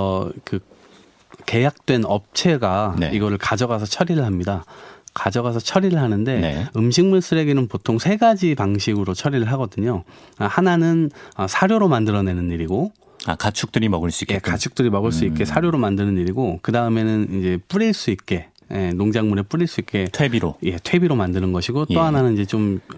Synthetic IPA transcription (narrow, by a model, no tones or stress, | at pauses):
ʌkɯ | ke̞jak̚t͈we̞nʌp̚t͡ɕʰe̞ɡanḛiɡʌɾɯɭkad͡ʑʌɣas̬ʰʌt͡ɕʰʌɾiɾɯɭɦamɲidakad͡ʑʌɣas̬ʰʌt͡ɕʰʌɾiɾɯɭɦanɯnde̞nḛɯmɕʰiŋmuɭs͈ɯɾe̞ɡenɯnpotʰoŋsʰe̞ɡad͡ʑipaŋɕʰiɡɯɾot͡ɕʰʌɾiɾɯɭɦaɡʌdɯɲohananɯnʌsʰaɾjoɾomandɯɾʌne̞nɯniɾiɡo | a̰kat͡ɕʰuk̚t͈ɯɾimʌɡɯɭs͈uikjekat͡ɕʰu̥k̚t͈ɯɾimʌɡɯɭs͈uik͈e̞sʰaɾjoɾomandɯnɯniɾiɡokɯdaɯme̞nɯnid͡ʑe̞p͈uɾiɭs͈uik̚k͈e̞ | jenoŋd͡ʑaŋmune̞p͈uɾiɭs͈uik̚k͈e̞tʰebiɾo̰je̞tʰwe̞biɾomandɯnɯnɡʌɕʰiɡot͈oɦananɯnid͡ʑe̞t͡ɕom